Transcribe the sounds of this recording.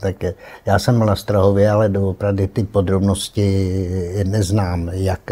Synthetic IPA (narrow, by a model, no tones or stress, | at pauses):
t̪akjaːsɛmːlast̪ɾaɦovjɛalɛdoopɾavdɪt̪ɪpod̪ɾobnoscɪ | nɛznaːmjak